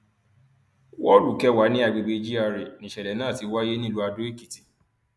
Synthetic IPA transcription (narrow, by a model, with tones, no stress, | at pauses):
wɔ˦lu˨kɛ˧˦wa˨˦nĩ˦a˨˧˨ɡ͡be˧ɡ͡be˧d͡ʒi˦a˧ɾe˨nĩ˨ʃɛ˨lɛ˨˦nãː˦˨ti˧wa˦je˦nĩ˦lu˦a˧do˦e˦˨ki˨ti̥˨